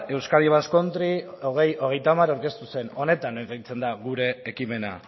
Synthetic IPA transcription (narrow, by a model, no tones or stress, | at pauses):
e̞wskaliβasko̞nt̪ɾio̞ɣ̞e̞jo̞ɣ̞e̞jt̪amaɾawɾke̞st̪use̞no̞ne̞t̪aneejt͡se̞nd̪aɣuɾe̞ːkime̞na